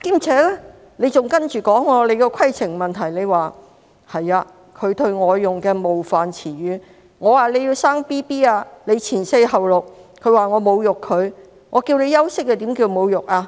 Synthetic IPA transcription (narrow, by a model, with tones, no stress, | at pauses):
kiː˥mt͡sʰɛː˨˥lɛː˥ | le˨˧jt͡sʊ˨ŋkɐ˥nt͡ʃyː˨kɔː˨˥ŋːɔː˧le˨˧jkɛ˧kʰɐ˥jt͡sʰɪ˨˩ŋmɐ˨nt̪ʰɐ˨˩jle˨˧jwaː˨˩ | hɐ˨jaː˧ | kʰɵ˨˧ɥt̪ʰɵ˧ɥŋɔː˨˧jːʊ˨ŋkɛː˧mo˨wfaː˨˩nt͡sʰiː˨˩ɥyː˨˧ | ŋɔː˨˧waː˨˩le˨˧jiː˧wsaː˥ŋpiː˥piː˥aː˧le˨˧jt͡sʰiː˨˩nse˧jɦɐ˨wlʊ˨k̚kʰːɵ˨˧ɥwaː˨ŋɔː˨˧mo˨˧wjʊ˨kʰːɵ˨˧ɥ | ŋʔɔː˨˧kiː˧wne˨˧jɐ˥wsɪ˥k̚ːɛː˧t̪iː˨˥mkiː˧wmo˨˧wjʊ˨k̚aː˧